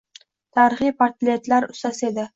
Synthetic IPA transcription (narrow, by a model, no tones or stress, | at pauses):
t̪ʰaɾɪχijpʰaɾt̪lʲet̪laɾʊst̪ased̪ɪ